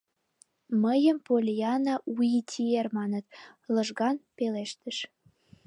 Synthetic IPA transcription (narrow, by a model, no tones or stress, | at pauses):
məjəmpolʲijɑnɑʔujitʲʰiermɑnət̪lɤʒɣɑnpeleʃt̪əʃ